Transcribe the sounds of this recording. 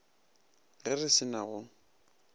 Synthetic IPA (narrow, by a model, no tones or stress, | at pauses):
ɣɛrɪsɪnaɣʊ